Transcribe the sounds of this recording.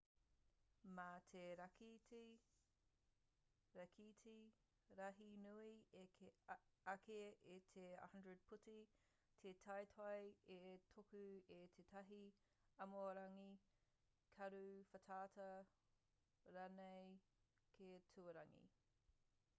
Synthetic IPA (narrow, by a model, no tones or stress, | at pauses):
matʰeɾɐkiti | ɾɐkʰiti | ɾɐɦinuie | ɐkʰeetʰḛhɐndɹəd̚pʰuti | tʰetʰɐjtʰɐjetʰokʉetʰetʰɐɦi | ɐmoɾɐŋi | kʰɐɾufɐtʰaːtʰɐ | ɾanej | kʰetʰʉɐɾɐŋḭ